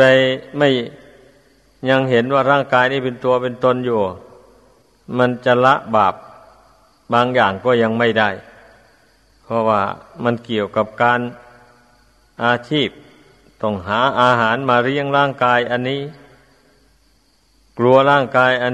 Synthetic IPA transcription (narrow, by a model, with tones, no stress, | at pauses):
a˧jma˥˩j | ɲa˧ŋɦe˨˦nwaː˧˩ɾaː˥˩ŋkaː˧jniː˧˥˩pe˧nt̪u˧ɐpe˧nt̪o˧˥˨njuː˧˩ | ma˧˥˨nt͡ɕa˧˨la˧˥ʔbaː˨˩p̚ | baː˧ŋjaː˨˩ŋkɔː˧˩ɲa˧ŋma˧˥˩jda˧˥˩j | pʰɔ˧waː˧˩ma˧˥nki˨˩əwka˧˦p̚kaː˧n | ʔaː˧t͡ɕʰiː˧˥˩p̚ | t̪ɔ˧˩ŋɦaː˩˦ʔaː˧ɦaː˨˩˦nmaː˧ɾi˧˥˩əŋlaː˥˩˨ŋkaː˧jʔa˧nːiː˧˥˨ | klu˧ɐlaː˧˥˩ŋkaː˧jʔa˧n